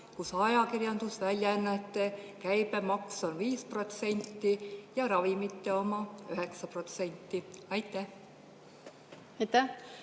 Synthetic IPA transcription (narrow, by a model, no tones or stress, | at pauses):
kusɑjɑkirjɑnd̪̥usvælʲjænːɑet̪ˑːekæjb̥emɑkso̞nviːspro̞t̪se̞nʲt̪ːijɑɾɑvimit̪ːe̞o̞mɑyɦe̞ksɑpro̞t̪se̞nʲt̪ːˑiɑjt̪ːˑæh | ɑjt̪æ